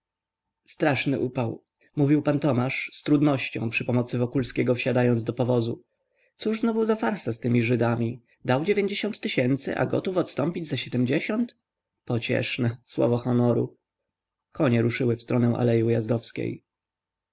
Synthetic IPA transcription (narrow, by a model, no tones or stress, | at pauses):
st̪ɾaʂnɘ̰ʔupaw | muvʲiwpant̪ɔmaʂst̪ɾud̪nɔɕt͡ɕɔ̰̃w̃pʂɘpɔmɔt̪sɘvɔkulskʲeɡɔfɕad̪ajɔnd̪zd̪ɔpɔvɔzu | t̪suʐznɔvuzafaɾsast̪ɘmʲiʐɘd̪amʲi | d̪awd͡ʑevʲjeɲd͡ʑeɕɔnt̪ːɘɕɛnt̪sɘ̰ʔa̰ɡɔ̰t̪ufɔt̪st̪ɔmpʲid͡ʑzaɕɛd̪ɛmd͡ʑeɕɔnt̪ | pɔt͡ɕɛ̰ʂnɛswɔ̰vɔxɔnɔɾṵ | kɔɲɛɾuʂɘwɘfst̪ɾɔnɛw̃ʔa̰lɛjujazd̪ɔfskʲḛj